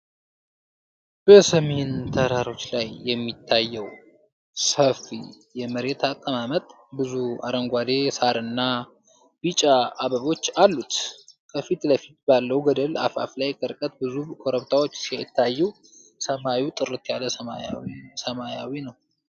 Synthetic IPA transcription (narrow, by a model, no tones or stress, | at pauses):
b̥əsəme̞nt̪ʰəɾaɾo̞t͡ʃːlajːɛmːit̪ʰːajːɛw | səfḭ | jɛməɾe̞t̪ʰakʼəmamət̪ʼ | bɨzua̰ɾəŋɡʷad̪e̞saɾɨnːa | b̥it͡ʃʼaːβəβo̞t͡ʃːalːut̪kʰəfit̪ləfit̪̚balːəwɡəd̪əla̰fa̰flajkʰəɾkʼət̪̚bɨzukʰoɾəβt̪ʰawo̞t͡ʃːsiajt̪ʰːajːɛw | səmawiwt̪ʼɨɾɨt̪ʰjaləsəmasəmajawinəw